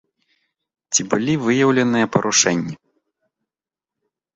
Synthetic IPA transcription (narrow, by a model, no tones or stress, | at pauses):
t͡sʲibɨlʲivɨjɐwlʲɐnɨjɐpɐɾʔuʂɛnʲːi